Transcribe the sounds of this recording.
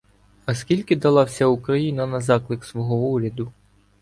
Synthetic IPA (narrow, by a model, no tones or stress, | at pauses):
ɐskʲilʲkɪd̪ɐlˠɑwsʲɐukɾɐjinɐnɐzɑklˠɪksʋɔɦɔuɾʲɐd̪ʊ